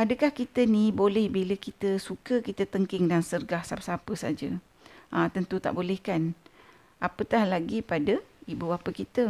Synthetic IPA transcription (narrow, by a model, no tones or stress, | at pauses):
ʔadəkahkit̪ənĩbolɛhbiləkit̪əsukəkit̪ət̪əŋkɪŋdansərɡahsasapəsad͡ʒə | ʔət̪ənt̪ut̪a̰ʔbolɛhkan | apət̪ahlaɡipadəibuapəkit̪ə